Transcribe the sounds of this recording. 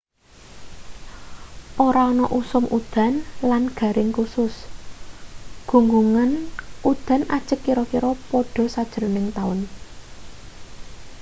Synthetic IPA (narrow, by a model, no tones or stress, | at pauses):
ʔoɾaɔnɔʔusʊmʔud̪̥a̤nlanɡ̥ä̤ɾɪŋkusʊs | ɡ̥ṳŋɡuŋanʔud̪̥a̤nʔad̥ʒ̥ə̤kːiɾɔkiɾɔpɔɖ̥ɔ̤sad̥ʒ̥əɾonɪŋt̪aʊn